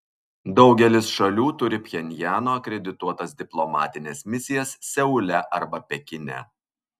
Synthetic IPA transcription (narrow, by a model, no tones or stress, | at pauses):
d̪ɒʊɡʲɛlʲɪsʃɐlʲuːt̪ʊɾʲɪpʲjʲɛnʲjæːnoːɐkɾʲɛd̪ʲɪt̪uɔt̪ɐsd̪ʲɪplˠɔmɑ̰ːt̪ʲɪnʲeːsmʲɪsʲɪjɛsːʲɛʊlʲɛʔɐɾbɐpʲɛkʲɪnʲɛ̰